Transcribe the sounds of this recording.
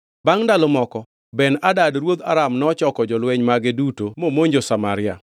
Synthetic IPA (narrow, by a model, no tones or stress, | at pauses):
baŋndalɔmɔkɔ | bɛnadadɾwod̪a̰ɾamnɔt͡ʃɔkɔd͡ʒɔlwɛɲmaɡɪdutomomoɲd͡ʒosamaɾɪa̰